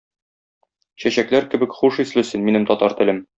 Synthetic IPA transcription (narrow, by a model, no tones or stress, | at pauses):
ɕæɕæklæɾkɘ̆bɘkχuʃislɘ̆sɘnminɘmt̪ɒt̪ɑɾt̪ɘ̆lɘm